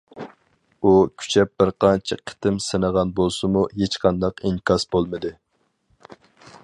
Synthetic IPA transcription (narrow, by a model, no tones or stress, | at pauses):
ukʲʰy̥t͡ʃʰɛp̚b̥ɪɾqʰɑnt͡ʃʰiqʰə̥t̪ɪmsɪnəʁɑnbolˠsɨmuɦet͡ʃqʰɑnd̪ɑqiŋkʰɑsbolˠmɨd̪ɨ